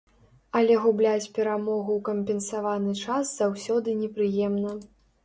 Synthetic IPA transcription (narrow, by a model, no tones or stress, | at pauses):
ɐlʲɛɣublʲat͡sʲpʲɛɾamɔɣuwkɐmʲpʲɛnsavanɨt͡ʂasz̥awsʲɔd̪ɨnʲɛpɾɨjɛmnɐ